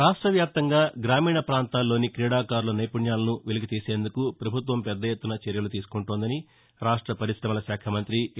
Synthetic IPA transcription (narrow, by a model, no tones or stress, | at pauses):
ɾaːʂʈɾɐʋjaːp̚t̪ɐŋɡaːɡɾaːmiːɳɐpɾaːnt̪aːlːo̞ːnikɾiːɽaːkaːɾlɐnɐjpuɳjaːlɐnuʋeluɡit̪iːse̞ːnd̪ukupɾɐbʱut̪ʋɐmpɛd̪ːɐjet̪ːunɐt͡ʃɛɾjɐlut̪iːsu̥kuɳʈoːnd̪ɐni | ɾaːʂʈɾɐpɐɾiʃɾɐmɐlɐʃaːkʰɐmɐnt̪ɾi